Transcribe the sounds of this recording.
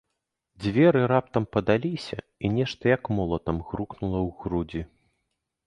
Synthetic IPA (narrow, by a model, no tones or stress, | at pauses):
d͡zʲvʲɛɾɨɾap̚t̪ɐmpɐd̪alʲisʲɐ̰ | inʲɛʂt̪ɐjɐkmɔlˠɐt̪ɐmɣɾuknulˠɐwɣɾud͡zʲi